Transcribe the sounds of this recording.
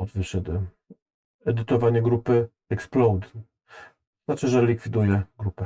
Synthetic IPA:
ɔd̪vɘɕɛd̪ɘ | ɛd̪ɘt̪ɔvaɲɛɡɾupɘ | ɛksplɔwd̪ | znat͡ʂɘʐɛlʲikfʲid̪ujɛɡɾupɛ

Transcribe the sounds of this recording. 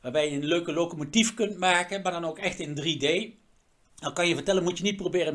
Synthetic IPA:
ʋaːɹbɛjəənløɥkəlokomotifkɵntmaːkənmaːɹdɑnowkɛxtɪndridej | dɑnkɑnjəvəɹtɛlənmutjənit̚probɪːrən

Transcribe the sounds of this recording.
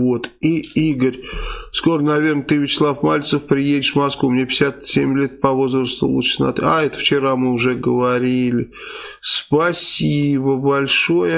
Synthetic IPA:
vo̞t̪iiɡəɾʲsko̞ɾənɐvʲe̞rnət̪ɨvʲɪt͡ɕɪ̥slˠafmalʲt̪səfpɾʲɪjedʲɪʂvmɐskvumnʲepʲɪ̥sʲat̪sʲemʲlʲe̞t̪̚pɐvo̞zɾəst̪ʊ̰lˠṵt͡ɕɪ̥snɐ̰t̪ɨaɛt̪ə̥ft͡ɕɪɾamɨʊʐɛɡəvɐɾʲilʲɪ | spɐsʲibəbɐlʲʂo̞jə

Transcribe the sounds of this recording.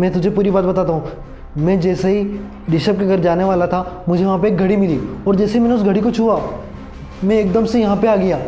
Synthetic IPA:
mɛ̃ːt̪ʊd͡ʒʱepuːɾibaːt̪bɐt̪aːt̪aɦũ | mɛ̃ːd͡ʒɛːsaɦi | ɖɪʃəp̚keɡɐɾd͡ʒaːneʋaːlat̪ʰamʊd͡ʒʱeʋɐɦãp̬eːk̚ɡʱɐɽimɪliːɔːɾd͡ʒɛːseɦimɛːneʊsɡʱɐɽikot͡ʃʰuːaː | mɛ̃eːkd̪əmsejɐɦãpeaːɡɐjaː

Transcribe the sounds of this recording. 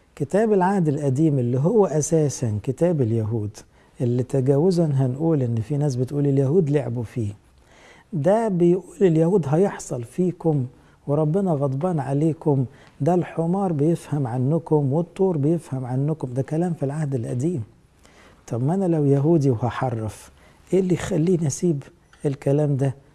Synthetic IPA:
kɪt̪æːbɪlʕahd̪ɪlʔæd̪iːmʔɪlːiɦʊwːæʔæsæːsænkɪt̪æːbɪljaɦuːd̪ | ʔɪlːit̪aɡæːwɪzanɦænʔuːlʔɪnːfinæːs̬bɪt̪ʔuːlɪljaɦuːd̪leʕbufiː | d̪æbɪjʔuːlɪljahuːd̪ɦæjeħsˤɑlfiːkʊm | weɾˤɑbːɪnɑɣɑd̪ˤbɑːnʕaleːkʊm | d̪ælħomɑːɾˤbɪjɪfhæmʕanːʊkʊmwɪt̪ˤːuːɾˤbɪjɪfhæmʕanːʊkʊmd̪ækælæːmfilʕahd̪ɪlʔæ̰d̪iːm | t̪ˤɑbmʔænælæwjæɦuːd̪iwhɑħɑrˤːɑf | ʔɪlːixælːiːnasiːb | ʔɪlkælæːmd̪æ

